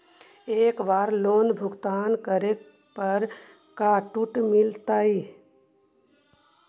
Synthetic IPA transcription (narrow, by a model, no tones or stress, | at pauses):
eːkʋaːɾloːnbʱʊɡt̪aːnkəɾe | pəɾ | kaʈuʈmɪlt̪aːi